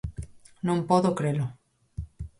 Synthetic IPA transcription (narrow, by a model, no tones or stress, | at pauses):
nõmpoðokɾelo